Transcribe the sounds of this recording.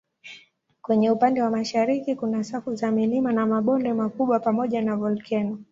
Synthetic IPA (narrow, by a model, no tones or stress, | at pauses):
kwɛɲɛupandɛwamaʃaɾikikunasakuzamilimanamaɓɔndɛmakuɓwapamɔʄanavɔlkʰɛnɔ